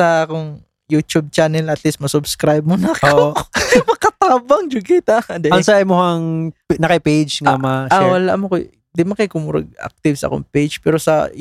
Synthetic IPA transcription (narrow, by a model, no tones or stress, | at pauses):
sɐʔkoŋ | jut̪ub̚t͡ʃaːnɛlɐʔɐt̪lismɐsʊbskɾajb̚mʊnɐk | mɐkɐt̪aːbɐŋd͡ʒʊɡɪt̪ad̪ɛɐŋsaɪmohɐŋnɐkɪpejd͡ʒŋamaʃawɐla̰ʔmokoj | d̪ɪmɐkɐjkʊmuːɾɐ̰ɡ̚a̰k̚t̪ɪvsɐʔɐ̰ko̰ŋpejd͡ʒpɛːɾosɐ̰